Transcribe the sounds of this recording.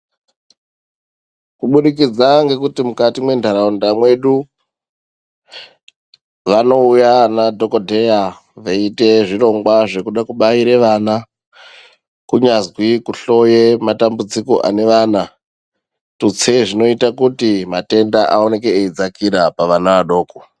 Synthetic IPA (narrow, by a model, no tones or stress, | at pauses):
kuɓuɗikid͡zaŋɡe̞kutimukatimwe̞ndʱaɾaundamwe̞ɗu | ʋano̞ujanadʱo̞kodʱeja | ʋaite̞ʐiro̞ŋɡwaʐe̞kuɗakuɓaiɾeʋana | kuɲazwikuɬo̞jematambud͡ziko̞ʔa̰ne̞ʋaːna | tut͡seʐino̞itakutimate̞ndaʔa̰o̞ne̞keːid͡zakiɾapaʋanaʋaɗo̞ːko